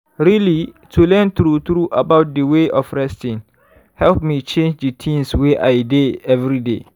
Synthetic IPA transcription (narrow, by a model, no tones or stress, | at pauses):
ɹili | tʰulɛ̃nt̪ɾutɹuʔabaʊt̚dəweʔɔfɹɛstĩŋ | hɛlp̚mit͡ʃẽnd͡ʒdətʰĩŋsweʔaɪdeɛvɾide